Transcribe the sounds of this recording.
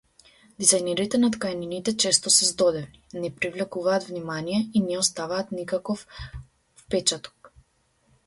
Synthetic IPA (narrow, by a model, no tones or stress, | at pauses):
d̪̥izajnɛɾit̪ɛnat̪kajaninit̪ɛt͡ʃɛst̪ɔsɛzd̪ɔd̪ɛvninɛpɾivlɛkuvaːt̪vnimanijɛinɛɔst̪avaːt̪nikakɔf | fpɛt͡ʃat̪ɔ̥k